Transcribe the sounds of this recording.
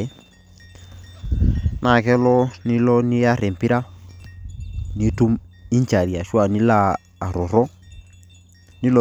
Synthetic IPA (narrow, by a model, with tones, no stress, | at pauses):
nʔa˨kɛ˦lɔ˦nɪ˦lɔ˦nɪ˦ja˦ɾɛ˨m˨pi˦ɾa˦ | ni˦tu˦mi˦ɲ˦t͡ʃa˨ɾi˨a˨ʃwa˨ni˦laː˦˨ | ɾɔ˨ɾɔ˦ | ni˦lɔ˨